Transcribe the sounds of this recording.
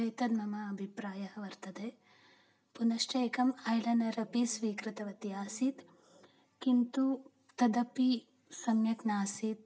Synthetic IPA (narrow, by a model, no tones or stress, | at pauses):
ɐjt̪ɐd̪mɐmɐːbʱipɾaːjɐɦɐ̆ʋɐɾt̪ɐd̪eː | punɐʃʈɐːkɐmɐjlɐnɐɾɐpisʋiːkɾit̪ɐʋɐt̪ijaːsit̪ | kint̪u | t̪ɐd̪ɐpi | sɐmjɐknaːsit̪̚